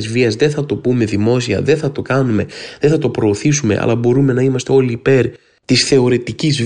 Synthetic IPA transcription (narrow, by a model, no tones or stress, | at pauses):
zviɐzðe̞θɐt̪o̞pume̞ðimo̞siɐ̰ðe̞θɐt̪o̞kɐnume̞ðeθɐt̪o̞pɾo̞ːθisume̞̰ʔɐ̰lʔɐbo̞ɾume̞nɐimɐst̪e̞o̞liːpe̞ɾ | t̪isθe̞o̞ɾe̞t̪iciz